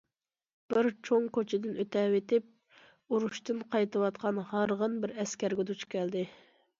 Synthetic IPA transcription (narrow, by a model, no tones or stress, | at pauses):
b̥ɪɾt͡ʃʰoŋkot͡ʃʰɪd̪ɪnøt̪ʰɛwet̪ɪp̚ | uɾuʃt̪ɨnqʰɑjt̪ɨwɑt̪qʰɑnhɑɾʁənbɪɾɛskʲæɾɡʲɛd̪ut͡ʃʰkʲʰɛld̪ɪ